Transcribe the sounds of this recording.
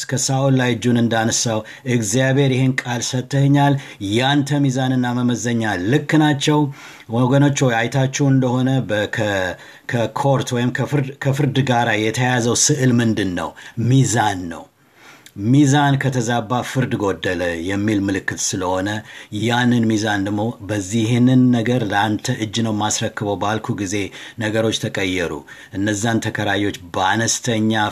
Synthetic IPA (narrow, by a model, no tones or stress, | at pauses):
kʰəsaʔolːajɨd͡ʒunɨnd̪anəsaw | ɨɡzijaβhe̞ɾjɪhenkʼalsət̪ːəhɨɲːaljant̪ʰəmizanɨnːaməməzəɲːalːɨkːɨnat͡ʃːɛw | woɡəno̞t͡ʃːhojajt̪ʰat͡ʃːɛwɨnd̪əho̞nəbkʰə | kʰəkʰo̞ɾt̪wɔjɪmkʰəfɨɾkʰəfɨɾd̪ɡaɾajɛt̪ʰəjazəwsɨʔɨlmɨnd̪ɨnːə̰wmizanːə̰w | mizankʰət̪ʰəzabːafɨɾd̪ɡo̞d̪ːələjɛmːilmɨlɨkːɨt̪sɨləho̞nəjjanːɨnmizand̪əɡmo̞bəzːihnɨnːəɡəɾləant̪ʰəʔɨd͡ʒːnəwmasɾəkːɨβəwbalkʰuɡize̞nəɡəɾo̞t͡ʃːt̪ʰəkʼəjːɛɾṵʔɨnːəzːant̪ʰəkʰəɾajo̞t͡ʃːbəanəst̪ʰəɲːa